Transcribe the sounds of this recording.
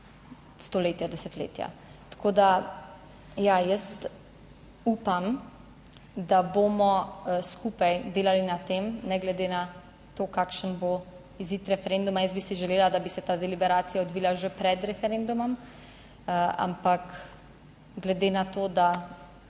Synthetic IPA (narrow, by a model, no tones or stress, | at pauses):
st̪ɔleːt̪jad̪ɛsɛt̪lḛːt̪ja̰t̪ḁkʰoːd̪a | jajəst̪ | uːpam | d̪abomɔskuːpajd̪eːlalinat̪emnɛɡlɛd̪ena | t̪oːkakʃənbo | iziːt̪ɾɛfɛɾend̪umajəsbisiʒɛleːlad̪abisɛt̪ad̪ɛlibɛɾaːt̪sijaɔd̪ʋiːlaʒepɾɛd̪ɾɛfɛɾend̪umɔm | a̰mpak | ɡlɛd̪eːnat̪oːd̪a